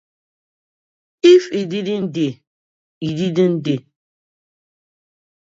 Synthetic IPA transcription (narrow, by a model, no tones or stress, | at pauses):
ifididin̩de | ididin̩de